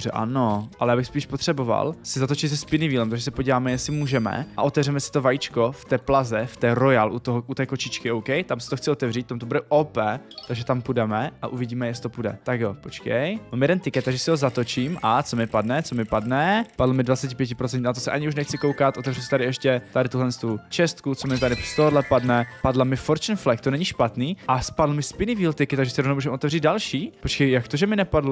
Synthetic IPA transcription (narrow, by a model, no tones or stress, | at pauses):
brɛ̰ʔa̰no̞ʔalɛjaːbɪxspiːʃpo̞t̪r̝̥ɛbo̞va̰lsɪzat̪ot͡ʃɪzɛspɪnɪviːlɛmt̪aɡʒɛsɛpo̞ɟiːvaːmɛjɛsɪmuːʒɛmɛ̰ʔaʔo̞t̪ɛvrɛmɛsɪ̥t̪ovajit͡ʃkoft̪ɛːplazɛft̪ɛːɾo̞jalʔut̪oɦʔut̪ɛːkot͡ʃɪt͡ʃkɪowkɛjt̪amsɪ̥t̪oxt͡sɪo̞t̪ɛvriːt̪t̪ːamt̪obudɛʔopɛt̪aɡʒɛt̪ampudɛmɛa̰ʔuvɪɟiːmɛjɛst̪opudɛ̰t̪akjopo̞t͡ʃkɛjmamjɛdɛnt̪ɪkɛt̪ːaɡʒɛsɪɦozat̪ot͡ʃiːmʔat͡somɪpadnɛt͡somɪpadnɛpadlomɪdvat͡sɛcɪpjɛcɪpɾot͡sɛɲnat̪osɛʔaɲɪuʃnɛxt͡sɪko̞wkat̪ʔot̪ɛvrisɛ̥t̪aɾɪɛʃcɛt̪adɪt̪uɦlɛnst̪ut͡ʃɛst̪kut͡somɪt̪adɪst̪oɦdlɛpadnɛpadlamɪfoɾt͡ʃnflɛk̚t̪onɛɲiʃpat̪niːʔaspadl̩mɪspɪnɪviːlt̪ɪkɪt̪ːaɡʒɛsɪɾovnowmuːʒɛmot̪ɛvriːd̪̚dalʃiːpot͡ʃkɛjjakt̪oʒɛmɪnɛpadlo